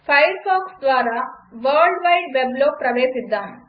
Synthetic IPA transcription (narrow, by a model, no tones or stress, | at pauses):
fajəɾfɔːksd̪ʋaːɾaʋəɾɖʋajʈʋebloːpɾɐʋeːsid̪ːaːɦe